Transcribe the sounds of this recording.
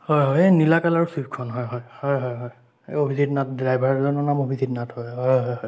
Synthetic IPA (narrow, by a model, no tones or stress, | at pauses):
hɔjɦɔjenilakalaɹusitkʰɔnɦɔjɦɔjhɔjɦɔjɦɔj̰ | obʱizitnat̚dɹajbʱaɹzɔnɔnamobʱizitnathɔjɦɔjɦɔjɦɔj